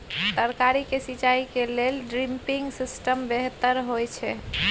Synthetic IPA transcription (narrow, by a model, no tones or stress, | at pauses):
t̪əɾkaɾikesit͡ʃaikelelɖɾimpiŋɡsisʈəmbeɦt̪əɾɦojt͡ʃʰɛ